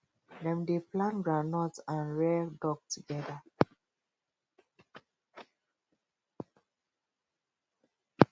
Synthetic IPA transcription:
dɛ̃mdeplãnɡɹanɔtãnɹɛdɔk̚tuɡɛda

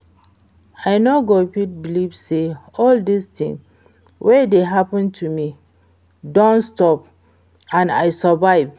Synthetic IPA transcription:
ajnoɡopit̚bilibseɔldistĩŋ | wʔɛdeɦapə̃ntʰumi | dɔ̃nstɔp | ãna̰jsəvaɪv

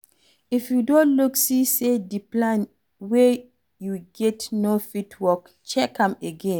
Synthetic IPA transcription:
ifjudõnluksisediplãn | we | juɡɛtnofitʰwɔk | t͡ʃɛkãmeɡẽn

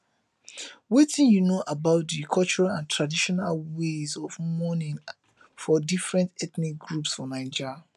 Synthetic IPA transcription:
wetʰĩnjunoːʔabaʊt̚dikʰɔlt͡ʃɔɹalãntʰɹadiʃɔnalwezɔvmɔnĩŋ | fɔdifɹɛ̃ntɛtnik̚ɡɹupsfɔnãɪ̃nd͡ʒa

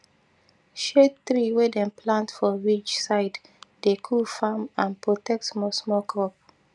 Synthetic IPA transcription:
ʃetɹiwɛdɛ̃mpʰlãntfɔɹit͡ʃsaɪd | dekʰufamãnpɹotɛk̚tmɔsmɔkʰɔp̚

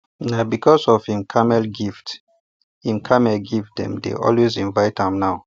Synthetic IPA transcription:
nabikʰɔsɔv̥hĩmkʰamɛlɡift | hĩmkʰamɛlɡifdɛ̰̃mdḛʔɔ̰lwezĩnvaɪtãmnaʊ

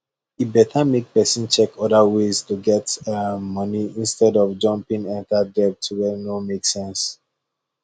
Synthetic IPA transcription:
ibɛtʰamek̚pɛsĩnt͡ʃɛkɔdawestuɡɛtəmʌniĩnstɛdɔvd͡ʒʌ̃mpĩŋɛ̃ntadɛp̚tʰuwɛnomeksɛ̃ns

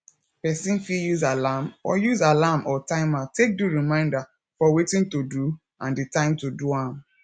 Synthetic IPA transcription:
pɛsĩnfijuzalamɔ̰juzalamʔɔtãɪ̃matek̚duɹimãɪ̃nda | fɔwetĩntodu | ãnditãɪ̃mtuduãm

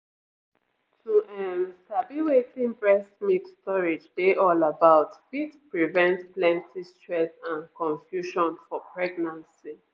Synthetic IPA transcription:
tʰuʔɛ̃mstabiwetĩŋbɹɛsmikstɔɹed͡ʒdeʔɔlabaʊtfitpɹivɛ̃ntplɛ̃ntʰistɹɛsãnkɔ̃ɱfjuʃɔ̃nfɔpʰɹɛɡnãnsi

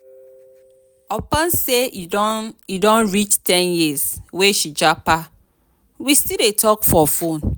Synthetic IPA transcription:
ɔpɔ̃nse | idɔ̃nɹit͡ʃtʰɛ̃njizweʃid͡ʒapa | wistidetʰɔkfɔfõn

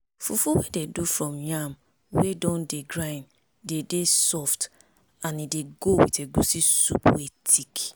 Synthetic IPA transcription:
fufuwededufɹɔ̃mjam | wedɔ̃ndeɡɾãj̃n | dedesɔft | anideɡowḭteɡusisṵpwetʰik

